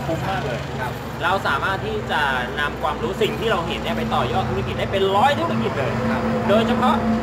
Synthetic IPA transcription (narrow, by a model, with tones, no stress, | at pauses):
pʰuː˦˧˩pʰaː˥˩lɤː˧jʰ | ɾa˧wsaː˩˦maː˥˩t̪ʰːiː˥˩t͡ɕa˨˩na˧mkʰwaː˧mɾuː˦˥si˨˩ŋt̪ʰiː˥˩ɾa˧wɦe˩˦nːi˦˥ɐpa˧jt̪ɔː˨˩jɔː˥˩t̪ʰːu˦˥ki˨˩t̪̚da˥˩jpe˧nɾɔː˦˥jt̪ʰu˦˥ɾa˥ki˨˩t̪̚lɤː˧jʰdoː˧jt͡ɕʰa˧pʰɔ˦˥ʔ